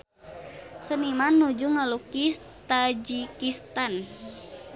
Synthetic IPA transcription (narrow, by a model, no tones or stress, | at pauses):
sənimanːud͡ʒuŋalukis | t̪ad͡ʒikist̪an